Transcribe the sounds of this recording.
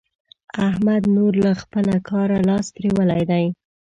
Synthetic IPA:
ahmad̪noɾlaxpəlakʰɑɾalɑst̪ɾiwəlajd̪aj

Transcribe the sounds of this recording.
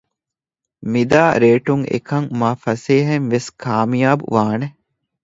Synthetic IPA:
mid̪aːɾeːʈuŋḛkɐŋmaːfɐseːɦeŋʋeskʰaːmijaːbṵʋaːne

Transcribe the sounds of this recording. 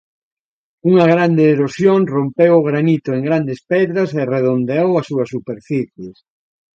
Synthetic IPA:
uŋɐɣɾand̪eːɾosjoŋrompewʊɣɾanit̪oeŋɡɾand̪espɛðɾɐsereðond̪eowɐsuɐsupeɾfiθjes

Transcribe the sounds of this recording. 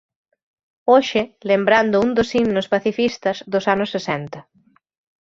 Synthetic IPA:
oʃɪlembɾand̪ʊund̪osinʊspaθifist̪ɐzðʊsanʊsːesɛnt̪ɐ

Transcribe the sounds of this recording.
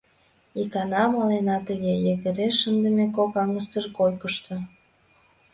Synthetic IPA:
ikɑnɑmɑlenɑt̪əɣejəɣəɾeʃənd̪ə̆mekokɑŋəst͡səʒkojkəʃt̪o

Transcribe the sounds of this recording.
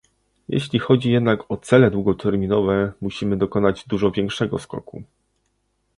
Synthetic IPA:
jḛɕlʲixɔd͡ʑijɛd̪nakɔt̪sɛlɛd̪wuɡɔt̪ʰɛɾmʲinɔvɛmuɕimɘd̪ɔkɔnad͡ʑd̪uʐɔvʲjɛŋkʂɛɡɔ̰skɔ̰kṵ

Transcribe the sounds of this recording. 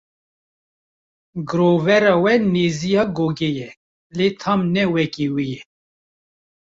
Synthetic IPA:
ɡɨɾoːvɛɾɑwɛneːzijɑːɡoːɡɛjɛ | let̪ʰɑmnɛwɛkiwijɛ

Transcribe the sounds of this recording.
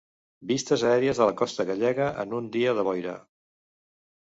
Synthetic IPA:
bist̪əzəɛɾiəzðələkɔst̪əɣəʎɛɣəʔə̰nund̪iəðəβɔjɾə̰

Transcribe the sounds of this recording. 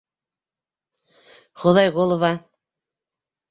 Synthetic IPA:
χŏðɑjʁolˠovɑ

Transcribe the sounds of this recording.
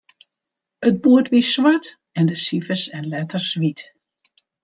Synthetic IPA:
ət̚buətʋiswat | ɛndəsivəsɛnlɛtərsʋit

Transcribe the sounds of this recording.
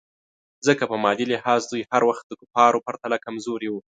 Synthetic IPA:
zəkapəmɑd̪ilɪhɑzd̪ujhaɾwaxt̪̚d̪əkʊpɑɾopaɾt̪alakamzoɾewu

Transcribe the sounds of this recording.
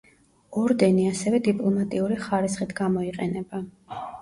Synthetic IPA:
ɔɾd̪ɛniasɛvɛd̪ipʼlˠɔmat̪ʼiuɾiχaɾisχit̪ʰɡamɔiqʼɛnɛba

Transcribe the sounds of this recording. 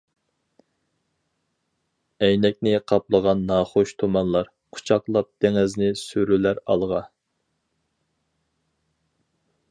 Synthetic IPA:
ɛjnɛk̚ʲnɪqʰɑp̚lˠəʁɑnːɑχoʃt̪ʰomɑnlˠɑɾ | qʰʊ̥t͡ʃʰɑqlˠɑp̚d̪̥eŋɪznɪsyɾylæɾɑ̰lˠʁɑ

